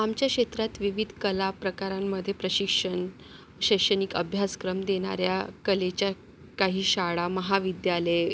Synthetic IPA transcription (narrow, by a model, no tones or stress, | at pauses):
amt͡ɕjakɕet̪ɾat̪ʋiʋid̪ʱkəlapɾəkaɾamːəd̪ʱːjepɾəɕikʂəɳ | ɕəjkʂəniːkəbʱjaskɾəmd̪eɽ̃a̰ɾjakəlet͡ɕja | kaɦiːɕaɭaməɦaʋid̪jale